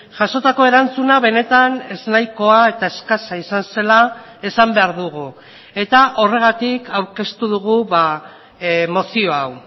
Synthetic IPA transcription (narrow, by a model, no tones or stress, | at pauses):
ʝaʃo̞t̪ako̞e̞ɾant͡sunaβe̞ne̞t̪ane̞znajko̞ae̞t̪ae̞skasaisanse̞la | e̞sambe̞aɾðuɣu | e̞t̪aʔo̞re̞ɣ̞at̪ikawɾke̞st̪uðuɣ̞uβa | mo̞sio̞aw